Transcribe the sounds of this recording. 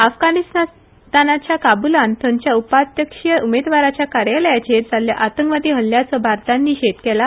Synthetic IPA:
afɡanist̪a | t̪anat͡ɕjakabulant̪əɲt͡ɕjaupat̪jəkʂjəumed̪ʋaɾat͡ɕjakaɾjaljat͡ɕet̪d͡zaljaʔat̪əŋkʋad̪iːɦəlːjat͡səbʱaɾt̪anːiːɕet̪kɛla

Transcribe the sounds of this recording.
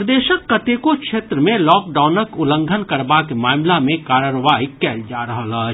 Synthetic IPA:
ɾd̪eːʃəkːɐt̪eːkokʃeːt̪ɾəmẽlɔːk̚ɖaːʊnəkʊlə̃ŋɡʱənkɐɾbakemaːmlamẽkaːɾəɾʋaːikɛːld͡ʒaːɾɐɦala

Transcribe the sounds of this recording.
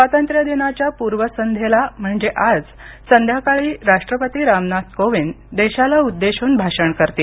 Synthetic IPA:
sʋat̪ənt̪ɾjəd̪inat͡ɕjapuɾʋəsənd̪ʱjelam̤əɳd͡zeʔad͡z | sənd̪ʱjakaɭiːɾaʂʈɾəpət̪iːɾamnat̪koʋin | d̪eɕalaud̪ːeɕuːnbʱaɕəɳkəɾt̪iː

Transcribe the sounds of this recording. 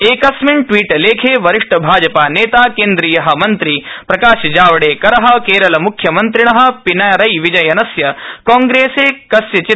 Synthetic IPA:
eːkɐsmeɳʈʋiːʈleːkʰeːʋɐɾiʂʈɐbʱaːd͡ʒɐpaːneːt̪aːkeːnd̪ɾiːjɐɦɐ̆mɐnt̪ɾipɾɐkaːʃɐd͡ʒaːʋɐɽeːkɐɾɐɦɐ̆keːɾɐlɐmukʰːjɐmɐnt̪ɾiɳɐɦɐ̆pinaːjɐɾɐjʋid͡ʒɐjɐnɐsjɐkɔːŋɡɾeːseːkɐsjɐt͡ʃi

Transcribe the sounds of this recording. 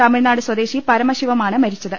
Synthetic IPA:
t̪ɐmiɻnaːɽɨswɐd̪e̞ːɕipɐɾɐmɐɕiʋɐmaːɳɨmɐɾit͡ɕːɐðɨ

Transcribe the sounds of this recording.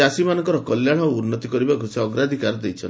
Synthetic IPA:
asimanɔ̃ŋkɔɾɔkɔljaɽ̃ɔunːɔt̪ikɔɾibakuseɔɡɾad̪ʱikaɾɔd̪ejt͡ʃʰɔn

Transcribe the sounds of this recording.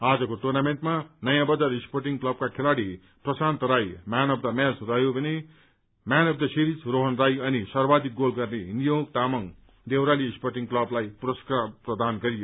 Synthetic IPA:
ad͡zʌkoʈurnameɳʈmanʌjãbʌd͡zaɾisporʈiŋklʌb̚kakʰelaɽi | prʌsant̪ʌɾajmanʌbd̪ʌmasrʌjobʌne | manʌb̚d̪ʌsiɾid͡zroɦʌnrajʌnisʌrbad̪ik̚ɡolɡʌrneɦinijok̚t̪amʌŋ | d̪ewɾaliːsporʈiŋklʌblajpuɾʌskaprʌd̪anɡʌɾijo

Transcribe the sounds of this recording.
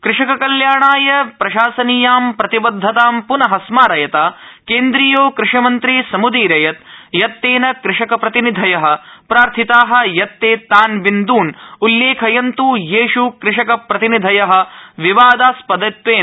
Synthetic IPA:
kɾɪʂɐkɐkɐljaːɳaːjɐpɾɐʃaːsɐnijaːmpɾɐt̪ibɐd̪ʱːɐt̪aːmpunɐɦɐsmaːɾɐjɐt̪aːkeːnd̪ɾijoːkɾɪʂɐmɐnt̪ɾiːsɐmud̪iːɾɐjɐt̪jɐt̪ːeːnɐkɾɪʂɐkɐpɾɐt̪inid̪ʱɐjɐɦɐ̆pɾaːɾt̪ʰit̪aːɦɐ̆jɐt̪ːeːt̪ːaːnʋind̪uːnulːeːkʰɐjɐnt̪ujeːʂukɾɪʂɐkɐpɾɐt̪inid̪ʱɐjɐɦɐ̆ʋiʋaːd̪aːspɐd̪ɐt̪ʋeːn

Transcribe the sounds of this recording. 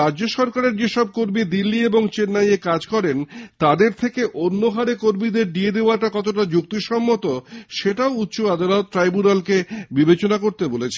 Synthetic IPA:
ɾad͡ʑoʃɔɾkaɾeɾd͡ʑeʃɔb̚koɾmid̪ilːieboŋt͡ɕenːajekad͡ʑkɔɾent̪ad̪eɾt̪ʰekeʔonːoɦaɾekoɾmid̪eɾɖied̪eoaɾʈakɔt̪oʈad͡ʑuk̚t̪iɾʃɔmːot̪oʃeʈaout̪ːt͡ɕoad̪alot̪̚ʈɾajbunalkebibet͡ɕonakoɾt̪ebolet͡ɕʰe

